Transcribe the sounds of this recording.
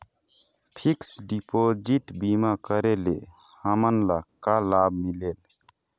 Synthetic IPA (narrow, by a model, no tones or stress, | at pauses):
pʰiksɖipod͡ʒiʈbimakəɾele | həmənlakalabʱmileːl